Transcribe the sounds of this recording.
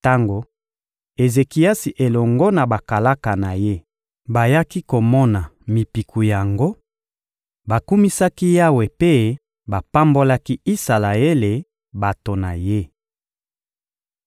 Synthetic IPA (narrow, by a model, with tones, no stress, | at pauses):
ta˦ŋɡo˨ | e˨ze˨ki˨ja˦si˨ʔe˨lɔ˨ŋɡɔ˦na˨ba˨ka˨la˦ka˨na˨je˦ | ba˨ja˦ki˦ko˨mɔ˦na˨mi˨pi˨ku˨ja˨ŋɡo˦ | ba˨ku˦mi˦sa˦ki˦ja˦we˨pe˦ | ba˨pa˦mbo˦la˦ki˦i˦sa˨la˨e˦le˨ | ba˨to˨na˨je˦